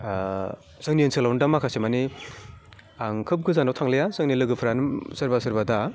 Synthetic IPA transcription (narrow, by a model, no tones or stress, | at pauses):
sɯŋniensʰɯlawndamakʰasemani | aŋkʰɯp̚ɡɯzanawtʰaŋlejasɯŋnilɯɡɯpʰɾanɯmsɯɾbasɯɾbada